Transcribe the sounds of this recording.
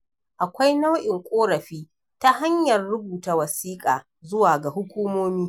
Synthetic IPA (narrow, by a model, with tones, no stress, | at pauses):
ʔa˨kʷa˦jna˦wʔɪ˨ŋkʷʼoː˦ɽɐ˨ɸiː˦ | ta˦ɦa˦ɲjɐ˨rːʊ˦buː˨ta˨wɐ˨siː˦kʼaː˨ | zʊ˦waː˨ɡa˨hʊ˦kʷuː˦moː˦miː˦